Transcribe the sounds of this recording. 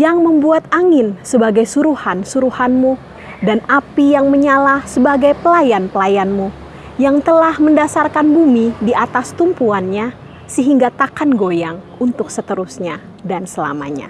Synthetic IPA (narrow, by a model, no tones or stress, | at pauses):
jaŋməmbuat̪̚aŋɪnsəbaɡajsuɾuhansuɾuhanmu | danapijaŋməɲalasəbaɡajpəlajanpəlajanmu | jaŋt̪əlahməndasarkanbumidiat̪ast̪umpuanɲa | səɦiŋɡat̪akanɡojaŋ | unt̪ʊk̚sət̪əɾusɲa | dansəla̰ma̰ɲa̰